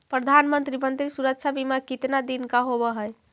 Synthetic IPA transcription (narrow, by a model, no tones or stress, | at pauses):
pɾəd̪ʱanmənt̪ɾimənt̪ɾisuɾək̚t͡ʃʰabimakit̪nad̪inkaɦoβəɦəj